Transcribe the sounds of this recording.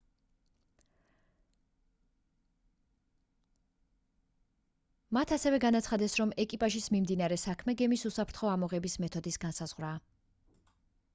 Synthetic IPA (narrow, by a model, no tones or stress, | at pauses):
mat̪ʰasɛvɛɡanat̪sʰχad̪ɛsɾɔmɛkʼipʼaʒismimd̪inaɾɛsakʰmɛɡɛmisusapʰɾt̪ʰχɔamɔʁɛbismɛt̪ʰɔd̪isɡansaz̥ʁwɾaː